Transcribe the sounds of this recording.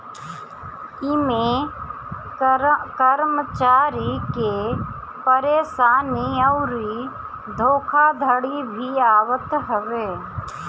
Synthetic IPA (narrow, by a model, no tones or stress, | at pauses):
ɪme | kəɾmət͡ʃaːɾike | pəɾeːsaːniəʊɾi | d̪ʱoːkʰad̪ʱəɽibʱiaːʋət̪ɦəʋeː